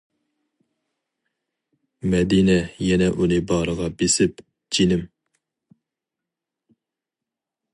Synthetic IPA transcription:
mɛd̪inɛjɛnɛʔunɨbɑɾəʁɑbesɪp | d͡ʒinɪm

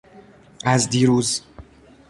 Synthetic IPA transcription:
ʔæzd̪iːɾuːz

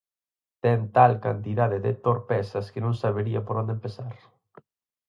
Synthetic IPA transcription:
t̪ɛnt̪alkant̪iðaðeðet̪oɾpɛsɐskenõŋsaβeɾiapoɾond̪empesaɾ

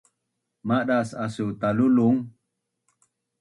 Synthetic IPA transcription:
maɗasasut̪aluluŋ

